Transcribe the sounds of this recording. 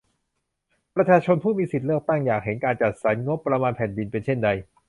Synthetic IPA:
pɾa˧t͡ɕʰaː˧t͡ɕʰo˧npʰuː˥˩miː˧si˨˩lɯ˥˩ək̚t̪a˥˩ŋjaː˨˩k̚ɦe˩˦nkaː˧nt͡ɕa˨˩t̪̚sa˩˦nŋo˦˥pːɾa˧maː˧npʰɛ˨˩ndi˧npe˧nt͡ɕʰe˥˩nda˧j

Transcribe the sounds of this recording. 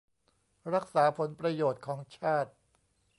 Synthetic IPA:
ɾa˦˥k̚saː˩˦pʰo˩˦npɾa˧joː˨˩t̪̚kʰɔː˩˦ŋt͡ɕʰaː˥˩t̪̚

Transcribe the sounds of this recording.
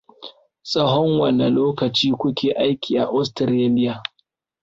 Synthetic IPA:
sʼɐ˦ɦɔ˦ŋwɐ˨nːɐ˨loː˦kɐ˨t͡ʃiː˦kʷʊ˦kʲeː˨ʔa˦jkʲiː˨ʔa˨ʔʊ˦stɾeː˦lɪ˦ja˨

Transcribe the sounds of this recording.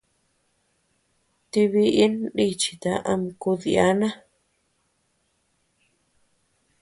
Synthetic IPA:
t̪i˧βi˧ʔi˦ndi˦t͡ʃi̥˨t̪a˧ʔa̰˧m˧ku˧ði˧a˦nã˦

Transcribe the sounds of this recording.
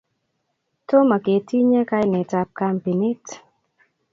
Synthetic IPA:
to˦ma˨ke˨tʰi˦ɲe˦ka˦jnɛ˨ta˦p̚ka˦mpi˨nɪ˦t

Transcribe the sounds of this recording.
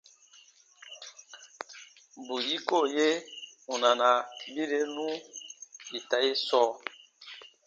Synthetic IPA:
bu˨ji˦ko˦˨je˦u˨na˨na˨bi˦ɾe˦nũ˦ | i˨ta˨˦je˦sɔː˦

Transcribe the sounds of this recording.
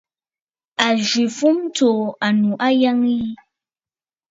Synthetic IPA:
a˨ʒi˨fu˦mto˨a˨nu˨ʔa˦ja˦ŋji˦

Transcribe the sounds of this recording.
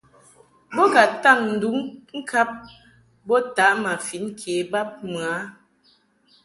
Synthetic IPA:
bɔ˦ɡa˨ta˦˨ŋn̩˨du˨˦ŋŋ̩˦kʰa˦p̚ | bɔ˦ta˨˦ʔma˨fi˨˦nkʰe˨˦ba˦p̚mɰa˨˦

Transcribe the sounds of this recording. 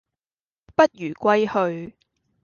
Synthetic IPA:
pɐ˥t̚jyː˨˩kʷɐ˥jhɵ˧ɥ

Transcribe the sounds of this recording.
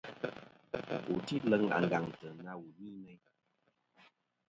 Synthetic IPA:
u˨ti˦lə˦ŋa̰˨ŋ˨ɡa˨ŋtə˨na˦wu˨ni˦mɛ˦j

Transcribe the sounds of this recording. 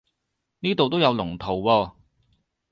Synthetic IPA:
niː˥t̪o˨wt̪̬o˥wjɐ˨˧wlʊ˨˩ŋt̪ʰo˨˩wwɔː˧

